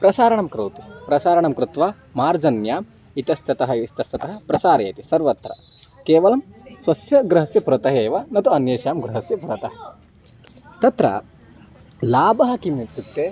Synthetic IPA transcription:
pɾɐsaːɾɐɳɐmkɾoːt̪ipɾɐsaːɾɐɳɐmkɾɪt̪ʋaː | maːɾd͡ʒɐnjaːm | it̪ɐst̪ɐt̪ɐɦɐist̪ɐst̪ɐt̪ɐɦɐ̆pɾɐsaːɾḛːt̪isɐɾʋɐt̪ɾɐ̰ | keːʋɐlɐmsʋɐsjɐɡɾɐɦɐsjɐpuɾɐt̪ɐɦeːʋɐnɐt̪uɐnjeːʃjaːmɡɾuɦɐsjɐpuɾɐt̪ɐɦɐ | t̪ɐt̪ɾɐ̰ | laːbɐɦɐkimit̪ːut̪ːeː

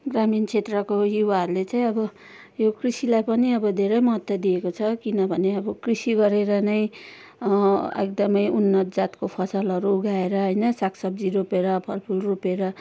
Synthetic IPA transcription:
ɡramint͡sʰet̪rʌkojiwaɦʌrlet͡saĩʌbʌ | jokrisilajpʌniʌbʌd̪ʱeɾʌjmʌɦʌt̪ːjʌd̪iekot͡sʰʌkinʌbʱʌneʌbʌkrisiɡʌɾeɾʌnʌj | ekd̪ʌmʌjunːʌt̪d͡zat̪kopʰʌsʌlʌɾuːɡaeɾʌɦʌjnʌsakʰsʌb̚d͡ziɾupeɾʌpʰʌlpʰulrupeɾʌ

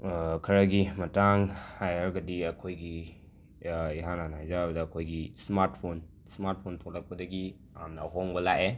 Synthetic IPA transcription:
kʰɐɾɐɡimɐtaŋhajaɾɡɐdiɐkʰojɡi | iɦananajzaɐbɐdɐːkʰojɡismaɾtpʰon | smaɾt̚pʰontʰolɐk̚pɐdɐɡi | amnɐːɦoŋbɐlaʔe

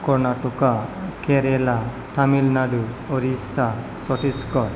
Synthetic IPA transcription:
kɔɾnaʈukakeɾela | ʈamilnaɖu | ɔɾisa | sɔʈiskɔɾ

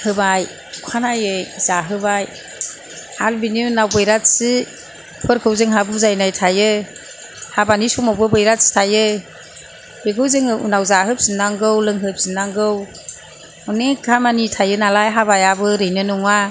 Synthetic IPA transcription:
hɯbaj | ukʰanajɯzaɦɯbaj | halbininawbɯjɾatsi | pʰɯɾkʰɯwzɯŋɦabɯzajnajtʰajɯ | habanisumawbɯbɯjɾastʰajɯ | beɡɯwzeŋɯṵnawzaɦɯp̚sinaŋɡɯwlɯŋɦɯp̚sinaŋɡɯw | ɔnekʰamanitʰajɯnalajɦabajabɯɾɯjnɯnuŋa

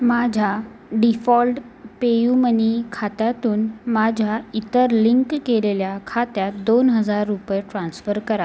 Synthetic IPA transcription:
mad͡ʑʱja | ɖifɔlʈpejumənikʰat̪jat̪uːnmad͡ʑʱjait̪əɾliŋkːeleljakʰat̪jat̪d̪onɦəd͡zaɾːupjeʈɾãnsfəɾkəɾa

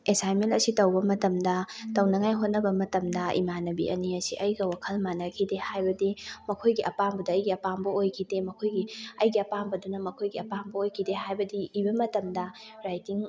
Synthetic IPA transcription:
esajmelɐsitɐwbɐmɐtɐmdɐtɐwnɐŋajɦot̚nɐbɐmɐtɐmdɐḭmanɐbḭʔɐ̰niɐsḭʔɐjɡɐwakʰɐlmanɐkʰidehajbɐdimɐkʰojɡiʔɐpambɐdɐːjɡiɐpambɐojkʰidemɐkʰojɡiɐjɡiɐpambɐdunɐmɐkʰojɡiɐpambɐojkʰideɦajbɐdiːbɐmɐtɐmdɐɾajtiŋ

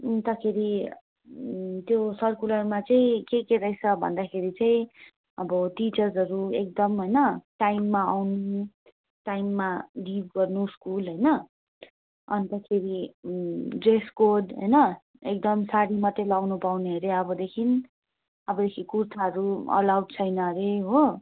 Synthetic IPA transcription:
nt̪ʌkʰeɾi | t̪josʌrkulʌrmat͡sʌĩkekeɾʌjt͡sʰʌbʱʌ̰nd̪akʰeɾit͡sʌĩ | ʌbʌʈit͡sʌrsʌɾuek̚d̪ʌmɦʌjnʌʈajmːaawnu | ʈajmːaɖib̚ɡʌrnuskulɦʌjnʌ | ʌnt̪ʌkʰeɾi | ɖreskoɖɦʌ̰jnʌ | ek̚d̪ʌmsaɽimʌt̪ːelawnupawneɦʌɾeʌbʌd̪ekʰin | ʌbʌd̪ekʰikurt̪ʰaɦʌɾuʌ̰lawdt͡sʰʌjnʌɾeɦo

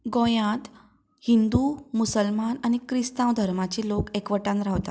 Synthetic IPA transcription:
ɡõjãt̪ | hind̪umusəlmanañikɾist̪ãwd̪ʱəɾmat͡ɕelokekʋəʈãnɾaʋt̪at̪

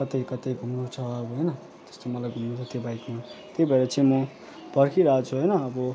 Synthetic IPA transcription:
kʌt̪ejkʌt̪ejɡʱumnut͡sʰʌːbʌɦʌjnʌ | t̪ʌ̥st̪omʌlajɡʱumnut͡sʰʌt̪jebajkmat̪jebʱʌeɾʌt͡sʌ̃ĩmʌ | pʌrkʰiɾaɦat͡sʰuɦʌjnʌːbʌ

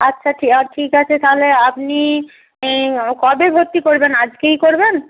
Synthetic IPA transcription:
ətːʃʰaʈʰikaʈʰikat͡ɕʰet̪ʰaleapni | kɔbebʱot̪ːikoɾbenad͡ʑkejkoɾben

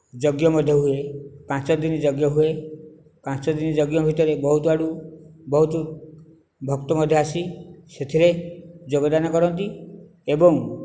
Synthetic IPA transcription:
d͡ʒɔɡjɔmɔd̪ʱjɔɦuepãt͡ʃɔd̪inid͡ʒɔɡjɔɦue | pãt͡ʃɔd̪inid͡ʒɔɡjɔbʱit̪ɔɾebɔɦut̪uaɽubɔɦut̪u | bʱɔkt̪ɔmɔd̪ʱjɔasiset̪ʰiɾed͡ʒoɡɔd̪anɔkɔɾɔnt̪̬i | ebɔŋ

